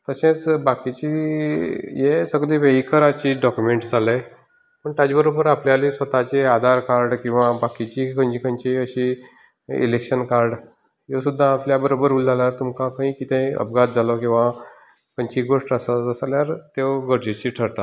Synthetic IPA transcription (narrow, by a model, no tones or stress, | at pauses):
t̪əsẽt͡sbakit͡ɕi | jesəɡliːʋeikʰəɾat͡ɕiːɖɔkjumeɳʈd͡zʱale | pəɳt̪ad͡ʑbəɾobəɾapljalisʋət̪at͡ɕead̪ʱaɾkaɾɖkĩw̃ʋabakit͡ɕikʰə̃ɲd͡ʑikʰə̃ɲt͡ɕiəɕi | ḭlekɕənkaɾɖ | jesud̪ʱːaːpljabəɾobəɾulːaljaɾt̪umkãkãɦĩkit̪ẽə̰p̚ɡat̪̚d͡zalɔkĩw̃ʋa | kəɲt͡ɕiɡoʂʈəsəəsaljaɾt̪ewɡəɾd͡ʑet͡ɕiːʈʰəɾt̪at̪